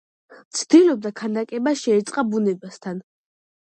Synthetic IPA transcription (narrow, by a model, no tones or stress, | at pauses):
mt̪sʰd̪̥ilɔb̚d̪akʰanakʼɛbaʃɛɛt̪sʼqʼabunɛbast̪ʰan